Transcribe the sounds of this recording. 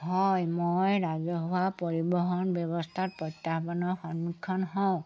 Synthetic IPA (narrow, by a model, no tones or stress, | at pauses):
ɦɔjmojɹazɔɦɔapoɹibɔɦɔnbjɔβɔstʰat̚pɹɔjtːaxbɔnɔɹxɔnmikʰːɔnɦɔ̃ʊ̃